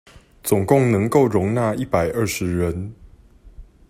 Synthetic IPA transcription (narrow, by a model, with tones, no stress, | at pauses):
t͡sʊ˨˩ŋkʊ˥˨ŋnə˧˦ŋko˥˨ʊɻʊ˧˥ŋna˥˨i˥˨pa˨˩ɪʔə˥˩ʂɻ̩˨˦ɻə˨˦n